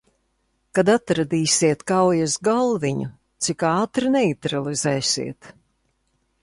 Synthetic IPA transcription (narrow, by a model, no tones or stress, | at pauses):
kad̪at̪ɾad̪iːsʲiɛt̪kawjasɡalˠviɲṵ | t̪sikaːt̪ɾɨnɛit̪ɾalˠizɛːsʲḭɛt̪